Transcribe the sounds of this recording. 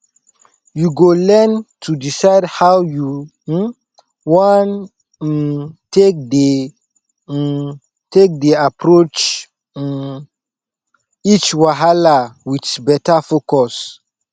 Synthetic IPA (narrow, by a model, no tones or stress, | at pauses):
juɡolɛntʰudisaɪdhawju | wɔ̃n | tek̚de | tek̚deapɾot͡ʃ | n | it͡ʃwaɦalawitsbɛtafokɔs